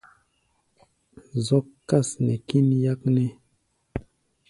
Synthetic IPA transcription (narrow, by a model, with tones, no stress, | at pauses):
zɔ˦kːa˦˨snɛ̰˨ki˦nja˦k̚nɛ˦